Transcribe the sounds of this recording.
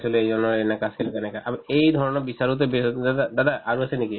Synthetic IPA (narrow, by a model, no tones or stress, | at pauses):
sʰiluejd͡ʒɔnɔenakaskilk̪ɛnɛkaʔamejd̪ʱɔɹɔnɔbisaɾut̪̬ebead̪ad̪ad̪aʔaɹuaseniki